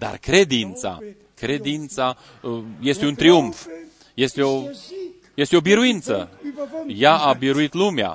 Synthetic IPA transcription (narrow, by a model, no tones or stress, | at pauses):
d̪a̰rkɾe̞d̪int̪sa̰ | kɾe̞d̪int̪sa | je̞st̪eunt̪ɾiuɱf | je̞st̪e̞o̞ | je̞st̪eo̞biɾuint̪sə | jaːbiɾuit̪lumea̰